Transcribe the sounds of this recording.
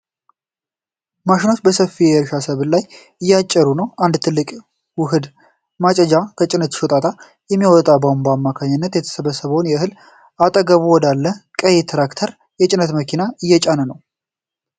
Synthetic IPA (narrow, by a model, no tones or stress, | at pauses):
maʃɪnot͡ʃbəsəfːijɛɛɾʃasəβlaj | ɨjːat͡ʃʼːɛɾunəwand̪t̪ʰɨlːɨkʼ | wʊɦɨd̪ | mat͡ʃʼɛd͡ʒakʰət͡ʃʼɪnət̪ɪ̥ʃɔt̪ʼat̪ʰʼa | jɛmːiwɔt̪ʼabawnbəamːakʰaɲːɪnːət̪jɛt̪ʰə̥səβəsəβəwnjɛɦɨl | at̪ʼəɡəβuwɔd̪alːəkʼəjet̪ʰɾakt̪ʰəɾ | jɛt͡ʃʼɪnːət̪məkʰinaɨjːɛt͡ʃʼanənəw